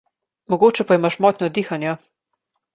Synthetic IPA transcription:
mɔɡoːt͡ʃɛpaimaʃmɔːt̪nʲɔd̪iːxanja

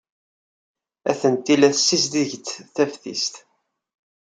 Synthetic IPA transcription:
æθənt̪ilæθsːisd̪iʝt͡sːθæfθḭst̪

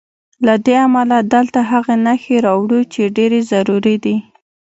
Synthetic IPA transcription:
lad̪eamalad̪əlt̪aɦaɣenaxeɾɑwɽut͡ʃeɖeɾezaɾuɾid̪i

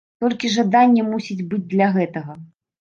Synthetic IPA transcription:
t̪ɔlʲkʲiʐad̪anʲːɛmusʲid͡zʲbɨd͡zʲd̪lʲɐɣɛt̪ɐɣɐ

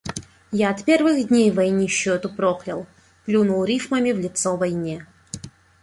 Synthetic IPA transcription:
jaɐt̪pʲervɨxd̪ʲnʲejvɐjnʲiɕːot̪ʊpɾoxlʲɪlˠ | plʲunʊlˠɾʲifməmʲɪvlʲɪt̪sovɐjnʲe

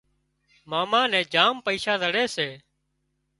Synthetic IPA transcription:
maːmaːnɛ̃ːd͡ʒaːmpəiːʃaːzʱəɽeːseː

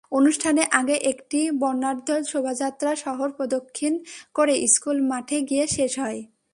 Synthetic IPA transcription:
onuʃʈʰaneʔaɡeʔekʈibɔɾnːaɾd̪ʱɔlʃobʱad͡ʑat̪ːɾaʃɔɦoɾpɾod̪okʰːinkoɾeʔiskulmaʈʰeɡijeʃeʃɦɔe

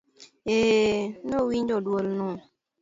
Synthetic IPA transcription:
enowiɲd͡ʒɔdwolnɔ

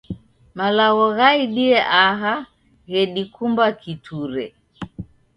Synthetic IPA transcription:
malaɣɔɣaiɗiɛʔaɦa | ɣɛɗikumbakitʰuɾɛ̰

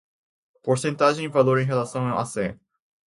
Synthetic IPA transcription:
poɾsẽnt̪aʒẽj̃ĩvaloɾẽj̃ɦelasɐ̃w̃awʔa̰sḛ̃

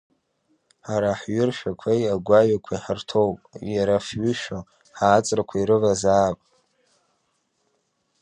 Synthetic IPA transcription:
ħaɾaħɥʊrʃᶣakʷʰajaɡʷaɥakʷʰaiħərtʰo̞wpʼjaɾafɥʏʃᶣo | ħaːt͡sʼrakʷʰaiɾɨvazaːpʼ

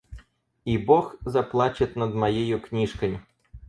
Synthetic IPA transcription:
ibɔxzɐplˠat͡ʃɪt̪ʲnɐd̪mɐjejʊknʲiʃkɐjʲʊ

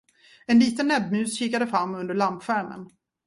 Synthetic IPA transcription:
ɛnliːt̪ənːɛbmʉ̟ːsɕiːkad̪əfɾamːɵnd̪əɭampɧæɾmə̰n

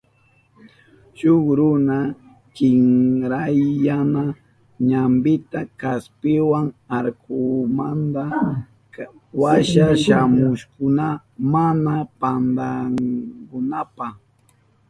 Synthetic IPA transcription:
ʃʊχɾʊna | kɪŋɾajːana | ɲambɪt̪akaspɪwaŋaɾkʊmand̪a | waʃaʃamʊʃkʊna | manapand̪aŋkʊnapaχ

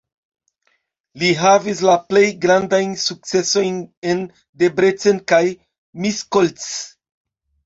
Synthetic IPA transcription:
liɦavis̬laple̞jɡɾandajnsuk̚t͡se̞so̞jnen | de̞bɾet͡se̞nkaj | miskolts

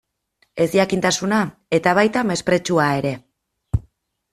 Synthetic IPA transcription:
e̞zjakint̪asunae̞t̪aβ̞ajt̪ame̞spɾe̞t͡ʃuae̞ɾe̞

